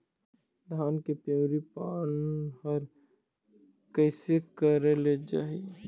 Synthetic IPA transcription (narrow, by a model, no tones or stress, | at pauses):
d̪ʱaːnkepõːɾipaːnɦɐɾ | kəɪsekəɾeled͡ʒa̰ːɦi